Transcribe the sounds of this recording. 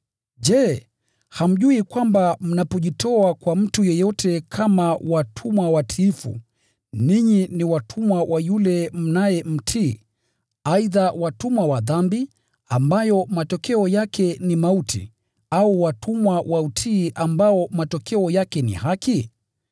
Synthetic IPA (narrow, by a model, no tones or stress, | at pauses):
ʄɛ | ham̩ʄuikwambam̩napɔʄitɔakwam̩tujɛjɔtʰɛkʰamawatʰumwawatʰiːfṵ | niɲiniwatʰumwawʔajulɛm̩najɛm̩tʰiː | aiðawatumwawaðambi | ambajɔmatɔkɛɔjakʰɛnimautʰḭ | auwatʰumwawʔautʰiːʔambaɔmatɔkɛɔjakɛnḭhaki